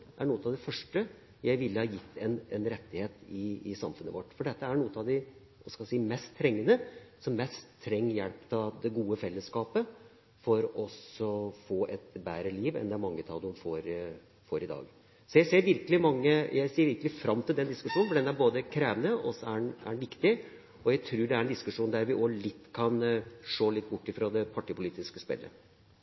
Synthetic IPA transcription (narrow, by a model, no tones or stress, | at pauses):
ʔæɳuːət̪ɑd̪ɛfœʂʈə | jæɪʋɪlːəhɑjɪt̪ʰːɛnɛnɾɛt̪ːɪheːt̪ɪːsɑmfʉnə̰ʋɔʈːfɔɖɛt̪ːəæɾɳuːət̪ɑʋd̪æɪ | ʋɑskɑlsiːmɛst̪ʰːɾɛŋːənəsɔmːɛst̪ʰːɾɛŋːjɛlpt̪ʰɑd̪ɛɡuːəfɛlːəskɑːpə | fɔɾɔsɔfoːʔɛt̪bæːɾəliːʋɛ̰nd̪ɛæɾmɑŋːət̪ʰɑ̰ld̪ʊmfoːɾ | foːɾɪd̪ɑ̰ːɡ | sɔjæɪseːɾʋɪɾkəlɪmɑŋːəjæɪsiːɾʋɪɾkəlɪfɾɑmːt̪ʰɪld̪ɛnd̪ɪskʉʂuːnnfɔɖɛnæɾboːd̪əkʰɾeːʋənəɔsːɔænæ̰ɖɛnʋɪkt̪ɪ | ɔjæɪt̪ʰɾʉːɖɛæɾɛnd̪ɪskʉʂuːnd̪æɾʋɪʔolɪt̪ːkʰɑnʂoːlɪt̪ːbʊʈːɪfɾɑd̪ɛpʰɑʈɪpʊliːt̪ɪskəspɛ̰lːə̰